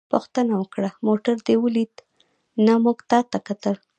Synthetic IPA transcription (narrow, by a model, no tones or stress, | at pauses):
pʊxt̪ənawəkɽamoʈaɾd̪ewəlid̪ | namuɡt̪ɑt̪akat̪əl